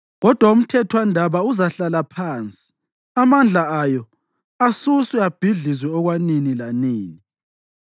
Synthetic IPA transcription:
ɣɔd̥ʱwaum̩tʰɛtʰwandʱaβauzaɬalapʰaːnt͡sʼi̥ | amand͡ɮʱaajɔ | asuswɛab̥ʱiɮizwɛɔɣwaninilaniːni

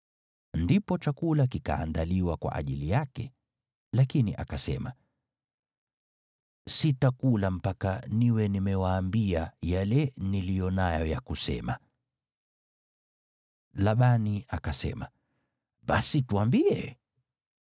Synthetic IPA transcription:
ndipɔt͡ʃakulak̬ika̰ːndaliwakwa̰ʔa̰ʄilijakɛ | lakiniʔa̰kasɛ̰ma | sitakulam̩pakaniwɛnimɛwaːmbiajalɛnilijɔnajɔjakusɛ̰ma | laɓaniakasɛ̰ma | ɓasituambiɛ

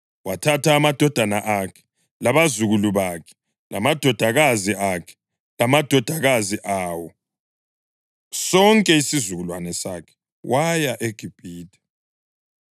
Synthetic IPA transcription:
watʰatʰaːmad̥ʱɔd̥ʱanaʔakʰɛ̥ | laβazuɣuluβakʰɛ̥ | lʔamad̥ʱɔd̥ʱaɣaziakʰɛ̥ | lamad̥ʱɔd̥ʱaɣaziʔaːwɔ | sɔŋkʼɛisizuɣulwanɛsa̰kʰɛ̥ | wʔajaʔeɡ̥ʱib̥ʱiːd̥ʰʱʼɛ̥

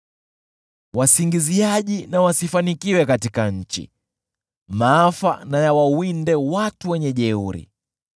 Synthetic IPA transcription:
wasiŋɡiziaʄinawasifanikiwɛkatikaɲ̩t͡ʃḭ | maːfa̰najawawindɛwatuwɛɲɛʄɛuɾḭ

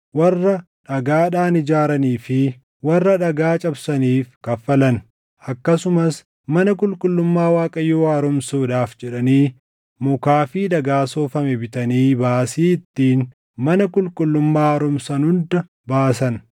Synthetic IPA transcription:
wɐrːɐ | ᶑɐɡaːᶑaːnɪd͡ʒaːɾɐniːfɪ | wɐrːɐᶑɐɡaːt͡ʃʼɐbsɐniːfkɐfːɐlɐn | ʔɐkːɐsʊmɐs | mɐnɐkʼʊlkʼʊlːʊmːaːwaːkʼɐjːoːɐɾʊmsoːd̪aːfd͡ʒɛᶑɐniː | mʊkaːfiːd̪ɐɡaːsoːfɐmɛbɪt̪ɐniːbaːsiːɪt̪ːiːn | mɐnɐkʼʊlkʼʊlːʊmːaːɐɾʊmsɐnʊnd̪ɐ | baːsɐn

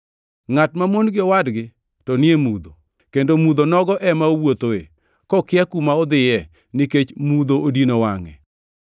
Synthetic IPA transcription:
ŋatmamonɡɪɔwadɡɪ | tɔnɪemud̪o | kendomud̪onɔɡɔʔɛmaowot̪oḛ | kɔkɪakumaɔd̪ɪjɛ | nɪket͡ʃmud̪oodinowaŋɛ̰

